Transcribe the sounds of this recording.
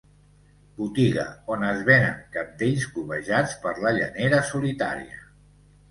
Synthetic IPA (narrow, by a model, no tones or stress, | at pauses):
but̪iɣə̰onəzβenə̰ŋkap̚d̪eʎzkuβəʒat͡spəɾləʎə̰neɾəsulit̪a̰ɾḭə̰